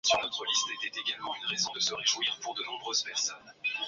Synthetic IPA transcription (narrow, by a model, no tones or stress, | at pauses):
syʁnɔt̪χəlist̪ɛt̪ɛt̪eɡalmɑ̃ynʁezɔ̃d̪əsəʁeʒwiːʁpuʁd̪ənɔ̃bʁøz̥pɛʁsɔn